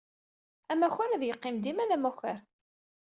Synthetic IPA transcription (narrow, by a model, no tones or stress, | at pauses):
æmæçəɾæðjəqːɪmd̪imæðæmæçəɾ